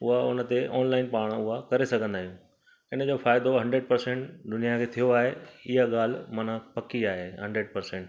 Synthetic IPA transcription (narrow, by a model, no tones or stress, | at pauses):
ʊɦaʊnə̆t̪eʔɔːnlaːɪnpaːɽ̃ʊɦakɐɾesɐɡʱə̃nd̪aːijũː | ɪnəd͡ʑofaːɪd̪oɦɐ̃ɳɖɾeɖ̚pɐɾsɛ̃ɳʈd̪ʊnijakʰeːt̪ʰijoaːɦeɪɦaɠaːl̤mɐnapɐkiaːɦeɦɐ̃ɳɖɾeɖ̚pɐɾsɛ̃ɳʈ